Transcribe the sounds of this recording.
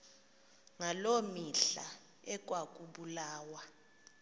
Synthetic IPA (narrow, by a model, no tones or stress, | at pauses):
ŋalomiɬa̰ | ɛk̬ʼwak̬ʼuɓulaːwa